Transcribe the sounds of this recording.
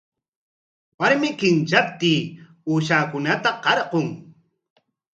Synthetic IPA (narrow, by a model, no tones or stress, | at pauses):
waɾmɪkɪnt͡ʃap̚t̪iː | uːʃaːkʊnat̪aqɑɾqoŋ